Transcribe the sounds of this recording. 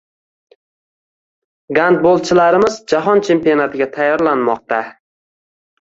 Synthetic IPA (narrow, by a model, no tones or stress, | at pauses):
ɡand̪̚bolˠt͡ʃʰɪlaɾɪmɪzd͡ʒaɦɒnt͡ʃʰe̞mpijonat̪ʰɪɡʲat̪ʰajːɒɾlanmɒq̚t̪a